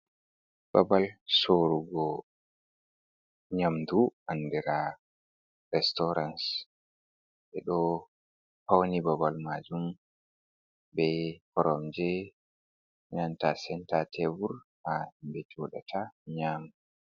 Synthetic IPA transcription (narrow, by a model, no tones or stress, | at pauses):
b̥abalsoɾuɡɔ | ɲamduʔanːdɛɾa | ɾɛstɔɾans | ɓɛ̰ɗɔ | pawnibabalmad͡ʒum | bɛkɔɾɔmd͡ʒɛ | ɲantasɛntatʰɛvuɾhambɛtiwɔɗa̰tʰaɲaːmdu